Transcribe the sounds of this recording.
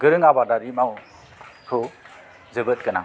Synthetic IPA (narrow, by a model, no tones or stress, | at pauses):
ɡɯɾɯŋabadaɾimaw | hʰɯ | zɯbɯt̚kɯna̰